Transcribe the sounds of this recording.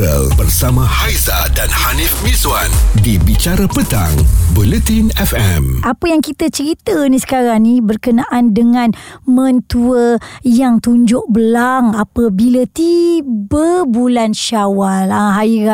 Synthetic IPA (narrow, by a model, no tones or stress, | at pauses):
ə̰lbərsamãhajzadanhanifmizwandibit͡ʃaɾapət̪a̰ŋbulət̪inɛfɛmʔapəjaŋkit̪ət͡ʃəɾit̪ənisə̥kaɾaŋnibərkənaʔandəŋãnmə̃nt̪uəjaŋt̪uɲd͡ʒʊʔ̚bəlaŋapəbilat̪ibəbulanʃawalaɦaiɾa